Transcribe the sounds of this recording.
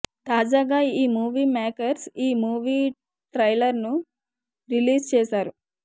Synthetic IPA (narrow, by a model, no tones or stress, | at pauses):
t̪aːd͡ʒaːɡaːiːmuːʋiːmaːkɐɾsiːmuːʋiː | ʈɾɐjlɐɾnu | ɾiliːst͡ʃɛːsaːɾu